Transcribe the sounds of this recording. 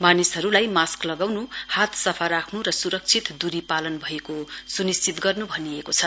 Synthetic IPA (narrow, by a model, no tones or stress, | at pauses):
manisɦʌɾulajmasklʌɡawnuhat̪ʰsʌpʰarakʰnuɾʌsuɾʌk̚t͡sʰit̪d̪uɾipalʌnbʱʌekosunist͡sit̪ɡʌrnubʱʌniekot͡sʰʌ